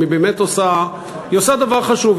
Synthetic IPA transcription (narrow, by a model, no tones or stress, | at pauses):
ibemet̪osa | josad̪avaʁχaʃuv